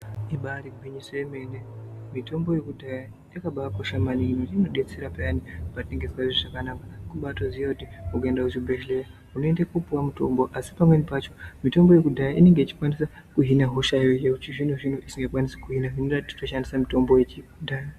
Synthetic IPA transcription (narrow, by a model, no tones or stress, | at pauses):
iɓaɾiɡʱiɲisojemenemito̞mbo̞jekudʱaja | akaɓakoʃamaniniino̞ɗet͡seɾapajanipateŋɡeswaziʐakanakakuɓato̞zijautiukaendaut͡ʃibʱeʃleja | unoendakupuwamuto̞̰mbo̞ʔasi̥pamwenipat͡ʃo̞mito̞mbo̞je̞kudʱajaʔine̞ŋɡe̞it͡ʃi̥kwanisa | kuɦinaɦuʃaiekut͡ʃiʐinuʐin̤uʔisiŋɡekwanisikuɦinaɦinrati̥t͡ʃoʃandisamito̞mbojet͡ʃidʱaja